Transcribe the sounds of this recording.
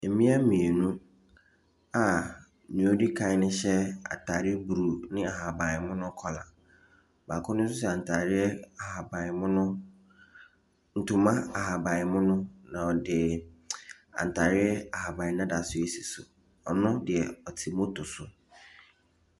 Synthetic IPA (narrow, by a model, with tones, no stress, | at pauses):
e˨mĩ˦a˦mĩ˨e˨nũ˦ | a˨ | nũ˨o˦di˦kʰã˨˦ɪ˦nɪ̃˦ɕɛ˦a̰˨tʰa˨ɾɪ˦bu˨ɾu˨nɪ̃˦a˨ha˨ba˨ɪ˨mʊ̃˦nʊ̃˦kʰɔ˨la̰˨ | ba˨kʰʊ̃˦nʊ̃˦s̬ʊ˦sɛ˨ã˨n˨tʰa˨ɾɪ˦ɛ˦a˨ha˨ba˨ɪ˨mʊ̃˦nʊ̃˦ | n̩˨tʰʊ˨mã˦a˨ɦa˨ba˨ɪ˨mʊ̃˦nʊ̃˦nã˨ɔ˨dɪ˨ | a̰˨n̩˨tʰa˨ɾɪ˦ɛ˦a˨ha˨ba˨ɪ˨˦nã˦da˨sʊ˦e˨si˨sʊ˨ | ɔ˨nʊ̃˦dɪ˨ɛ˨ɔ˨tʰi˨mo˦tʰʊ˨sʊ˨